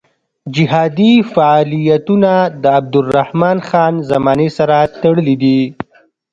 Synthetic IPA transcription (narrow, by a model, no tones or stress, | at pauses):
d͡ʒɪɦɑd̪ifaɑlijat̪unad̪əab̚d̪ʊrːahmɑnxɑnzamɑnesaɾat̪aɽəlid̪i